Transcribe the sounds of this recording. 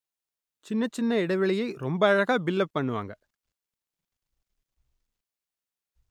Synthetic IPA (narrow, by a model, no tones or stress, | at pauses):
t͡ʃɪnːɐt͡ʃːɪnːɐɪɽɐɪʋɐɭɐjɐɪɾɔmbɐːɻɐɣaːbɪlːɐpːɐɳːɯʋa̰ːŋɡɐ